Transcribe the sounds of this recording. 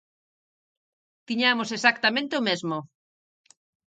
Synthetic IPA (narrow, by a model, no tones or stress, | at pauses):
t̪iɲamosesak̚t̪amẽnt̪eomezmʊ